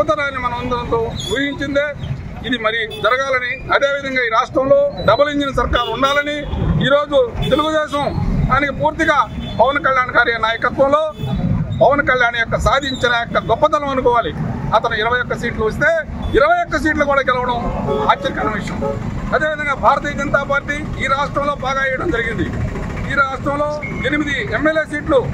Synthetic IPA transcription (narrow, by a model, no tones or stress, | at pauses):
ɐt̪ɐnaːnːimɐnɐmund̪ɐnt̪oːuːɦiɲt͡ʃind̪eː | id̪imɐɾijud͡ʒɐɾɐɡaːlɐniɐd̪e̞ːʋid̪ʱɐŋɡaːiːɾaːʂʈɾɐmlo̞ːɖɐbɐliɲt͡ʃinɐs̬ɐɾkaːɾuɳɖaːlɐniiːɾo̞ːd͡ʒut̪e̞luɡud̪ɛːʃɐmd̪aːnikipuːɾt̪iɡaːpɐʋɐnkɐljaːnɡaːɾinaːjɐkɐt̪ʋɐmloːpɐʋɐnkɐljaːnjɔkːɐsaːd̪ʱiɲt͡ʃinɐjɔkːɐɡɔpːɐt̪ɐlɐmɐnukɔːʋaːliɐt̪ɐnuiɾɐʋɐjɔkːɐsiːʈluʋɐs̬t̪eːiɾɐʋɐjɔkːɐs̬iːʈlukuːɽaːɡɛlɐʋɐɽɐmaːt͡ʃːɐɾikɐnɐʋiʂɐmloːɐd̪eːʋid̪ɐŋɡaːbʱaːɾɐt̪iːjɐd͡ʒɐnɐt̪aːpaːɾʈːiːiːɾaːʂʈɾɐmlo̞ːbaːɡaːijɐɽɐmd͡ʒɐɾiɡind̪ḭ | iːɾaːʂʈɾɐmlo̞ː | enimid̪iemːeleːs̬iːʈlu